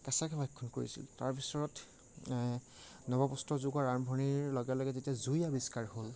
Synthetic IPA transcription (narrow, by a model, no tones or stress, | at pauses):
kɛsakʰɛbʱajkʰːɔnkoɹḭsḭltaɹbʱisɔɹɔt | nɔbapɔstɔzuɡaɹaɹmbʱɔniɹlɔɡɛlɔjɡɛtetiazujabiskaɹhol